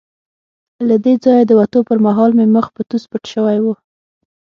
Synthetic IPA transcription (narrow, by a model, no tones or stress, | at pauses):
lad̪ed͡zɑjad̪əwat̪opəɾmaɦɑlmeməxpət̪uspəʈʃəwajwu